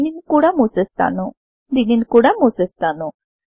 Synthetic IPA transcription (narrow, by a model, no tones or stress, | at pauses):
ninkuɽamusest̪a̰nu | d̪ininkuɽamusest̪anu